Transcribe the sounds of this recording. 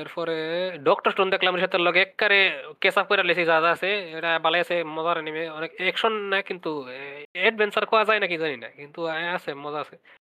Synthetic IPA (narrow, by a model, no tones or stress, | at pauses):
eɾpʰɔɾeɖɔkʈɔɾsʈund̪ekʰlamɾiʃɔt̪elɔɡeɛkːaɾekesap̚kɔjɾalesizad̪aːseɛʈabalajasemɔzaɾenimeɔnekɛkʃɔnːakint̪u | eɖ̚bʱɛnsaɾkɔazajnakizanina̰kint̪uasemɔzaːse